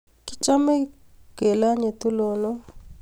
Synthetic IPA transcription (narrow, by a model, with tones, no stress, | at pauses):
ki˦t͡ʃa˦me˦ | ɡ̥e˨la˦ɲe˨t̪u˦lo˨nɔ˦